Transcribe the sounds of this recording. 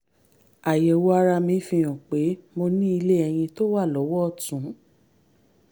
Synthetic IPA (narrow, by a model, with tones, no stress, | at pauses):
a˨jɛ˨wo˧a˧ɾa˧mĩ˨˧fĩ˧j̃ɔ̃˨k͡pe˨˦mo˧nĩ˦i˧le˦ɛ˧j̃ĩ˧to˦wa˦˨lɔ˨˦wɔ˦˨tũ˨˦